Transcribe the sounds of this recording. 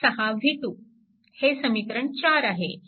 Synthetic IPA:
ɐɦaʋʱiʈu | hesəmik̪ɾəɳt͡ɕaːɾaɦe

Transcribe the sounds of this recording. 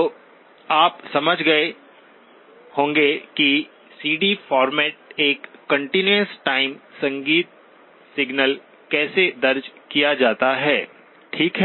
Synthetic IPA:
oː | aːpsɐməd͡ʒʱɡɐe | hõːŋɡeki | siːɖifɔːɾmɛːʈ̚eːkːɐ̃ɳʈinuəsʈaːɪmsɐ̃ŋɡiːt̪̚ | sɪɡnəl | kɛːsed̪ɐɾd͡ʒkijad͡ʒaːt̪aɦɛː | ʈʰiːkɦɛ

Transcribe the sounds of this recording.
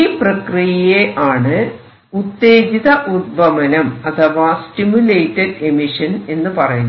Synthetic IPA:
iprɐkrijɐjeʔaːɳɨ | ut̪ːe̞ːd͡ʑiðɐʔud̚bɐmɐnɐmɐt̪ʰɐʋaːsʈimjule̞ːjʈːɐɖe̞miʂɐne̞nːɨpɐrɐjunː

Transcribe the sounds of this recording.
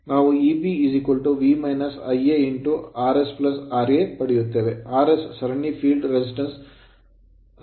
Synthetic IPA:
naːʋuiːbiiːzikulʈuʋiːmɐjnɐsɐjeiɳʈuaːɾesplɐsaːɾepɐɽejut̪ːe̞ːʋeaːɾesːɐɾɐɳipʰiːlɖɾesisʈɐns

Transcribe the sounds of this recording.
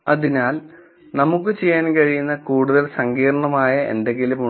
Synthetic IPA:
ɐðinaːl | nɐmukːɨt͡ɕe̞jːaːnkɐɻijunːɐkuːɽuðɐlsɐŋɡiːrɐɳɐmaːjɐe̞̰nde̞ŋɡilumu

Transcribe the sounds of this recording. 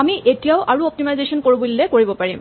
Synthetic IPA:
amiʔetijaʊʔaɹuɔp̚timajzesɔnkoɹubulːɛkoɹibɔpaɹim

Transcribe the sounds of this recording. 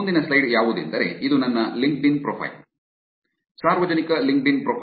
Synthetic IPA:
nd̪inɐslɐjɖjaːʋud̪ḭnd̪ɐɾe̞̰ʔid̪unɐnːɐliŋk̚ɖinpɾopʰɐ̰jl | saːɾʋɐd͡ʒɐnikɐliŋk̚ɖinpɾoːpʰ

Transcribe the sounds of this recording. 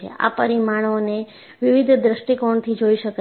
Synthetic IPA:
ḛa̰pəɾimaɳ̃one | ʋɪʋid̪ʱd̪ɾəʃʈikoɳt̪ʰid͡ʒoiʃək

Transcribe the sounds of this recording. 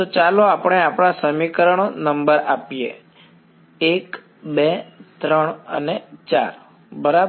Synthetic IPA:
t̪ot͡ʃaloapəɳ̃eapɽ̃asəmikəɾəɳonəmbəɾapijḛ | ek | bet̪ɾəɳ̃ə̰net͡ʃa̰ɾ | bəɾa

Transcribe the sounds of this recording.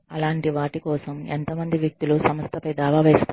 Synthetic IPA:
ɐlaːɳʈiʋaːʈikɔːsɐment̪ɐmɐnd̪iʋjɐk̚t̪ulusɐmɐst̪ʰɐpɐjd̪aːʋaːʋɛːst̪a

